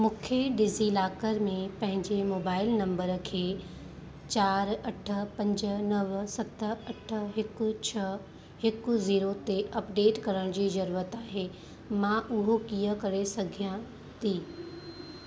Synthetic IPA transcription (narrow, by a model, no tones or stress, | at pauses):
mʊkʰjəɖɪzilaːkəɾmẽpɐ̃ɦɪ̃ɲd͡ʑemoːbaːɪlnɐ̃mbəɾkʰeː | t͡ɕaːɾɐʈʰə̆pɐ̃ɲd͡ʑə̆nɐʋsɐt̪əɐʈʰə̆ɦɪkʊ̆t͡ɕʰɐ | hɪkʊ̆ziːɾot̪eʔɐpɖeːʈkɐɾəɽ̃d͡ʑiːzɐɾuːɾət̪aːɦe | mãʔʊɦokijəkɐɾesɐɡʱijã | t̪ʰiː